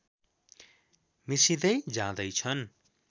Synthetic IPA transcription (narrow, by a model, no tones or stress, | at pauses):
misid̪ʌjd͡zãd̪ʌjt͡sʰʌn